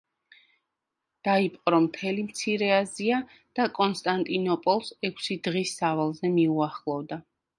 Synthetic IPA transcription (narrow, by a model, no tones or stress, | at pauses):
d̪̥aipʼqʼɾɔmt̪ʰɛlimt̪sʰiɾɛazia | d̪̥akʼɔnst̪ʼant̪ʼinɔpʼɔlˠsɛkʷʰsid̪ʁisːavalˠzɛmiuaχlˠɔvd̪a